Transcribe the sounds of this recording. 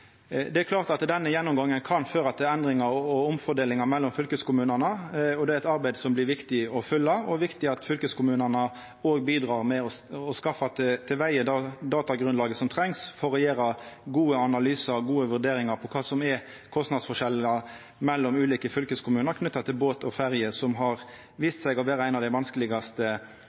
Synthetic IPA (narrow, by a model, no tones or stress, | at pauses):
d̪ɛækʰlɑːʁt̪ɑt̪d̪ɛnːəjɛnːʊmɡɑŋːənkʰɑnføːɾɑt̪ɛnd̪ɾɪŋɑɾɔʊmfɔd̪eːlɪŋɑmɛlːɔmfʏlkəskʊmʉːnənəɔd̪ɛæɾɛt̪ɑɾbæɪd̪sɔmblɪɾʋɪkt̪ɪɔfʏlːəɔʋɪkt̪ɪɑt̪fʏlkəskʰʊmʉːnənə | oːɡbiːd̪ɾɑːʁmɛɔɔskɑfɑt̪t̪ʰɪlʋæɪəd̪ɑd̪ɑːt̪ɑɡɾʉnlɑːɡəsɔmt̪ʰɾɛŋsfɔʁɛjeːɾɑɡuːəɑnɑlyːsəɾɡuːəʋʉɾd̪eːɾɪŋɑpʰɔkʰɑːsɔmɛ | kʰɔst̪nɑd̪sfɔʂɛləɑ | mɛlːɔmʉːliːkəfʏlkəskʰʊmʉːnəɾkʰnʉt̪ːɑt̪ʰɪlboːt̪ɔfæɾjəsɔmɦɑɾ | ʋiːst̪sæɪɡɔʋeːɾəæɪnɑʋd̪æɪʋɑnskəlɪɡɑst̪ə